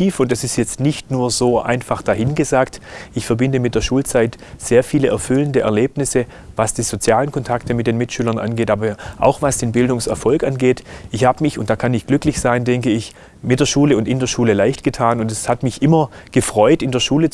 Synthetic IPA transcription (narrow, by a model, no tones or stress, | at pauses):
iːfʊntd̥asɪstjɛt͡stnɪçtnuːɐzoːʔa̰ɪnfaχd̥aɦɪnɡəzaːktʔɪçfɛɐbɪndəmɪt̚d̥eːɐʃuːlt͡saɪt | z̥eːɐfiːləʔɛɐfʏləndəʔɛɐleːpnɪsə | vasd̥iːz̥ot͡sjaːlənkʰɔntʰaktəmɪtd̥eːnmɪtʃyːlɐnʔa̰nɡeːtʔaːbɐʔa̰ʊxv̥asd̥eːnbɪldʊŋsɛɐfɔlkʔanɡeːtʔɪçhaːbəmɪçʊnt̚d̥aːkʰanɪçɡ̥lʏklɪçz̥aɪndɛŋkəɪç | mɪt̚d̥eːɐʃuːləʊntɪndeːɐʃuːləlaɪçtɡ̥ətʰaːnʊntɛshatmɪçʔɪmɐɡ̥əfʁ̥ɔʏtɪndeːɐʃuːlət͡s